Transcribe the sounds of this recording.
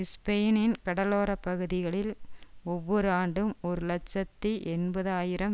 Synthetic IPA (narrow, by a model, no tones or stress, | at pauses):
ɪspejnɪnkɐɽɐloːɾɐpːɐɣɯðɪɣɐɭɪlɔʋːɔɾɯaːɳɖɯmɔɾɯlɐt͡ʃːɐt̪ːiʔɛnbɐðaːjɪɾɐm